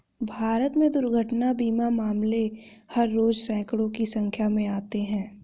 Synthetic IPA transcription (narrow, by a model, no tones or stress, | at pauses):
bʱaːɾət̪mẽd̪ʊɾɡʱəʈnabiːmamaːmlehɐɾːoːd͡ʒsɛ̃ːkɽõkisɐ̃ŋkʰjamẽaːt̪eɦɛ̃ː